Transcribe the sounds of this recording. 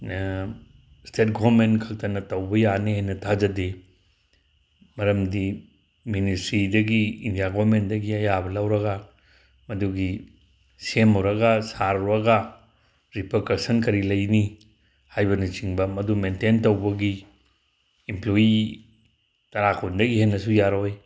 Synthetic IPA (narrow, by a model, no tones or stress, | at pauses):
stet̚ɡoɾmentkʰɐk̚tɐnɐtɐwbɐjanehajnɐtʰad͡ʒɐde | mɐɾɐmdi | ministɾidɐɡiindijaɡoβɾmendɐɡiɐjabɐlɐwɾɐɡa | mɐduɡi | semɐwɾɐɡasaɾɾɐɡa | ɾipʰɐkaksɐnkɐɾilɐjni | hajbɐnit͡ʃiŋbɐmɐdumententɐwbɐɡi | imploji | tɐɾakʰundɐɡihenːɐsujaɾoj